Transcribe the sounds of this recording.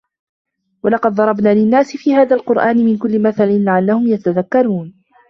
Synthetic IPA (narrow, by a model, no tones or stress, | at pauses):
wɑlɑqɑd̪̚ðˤɑɾˤɑbnaːlɪnːaːsɪfiːhaːðaːlqʊɾʔaːnɪmɪnkʊlːɪmaθalɪnlaʕalːahʊmjat̪aðakːɑɾˤuːn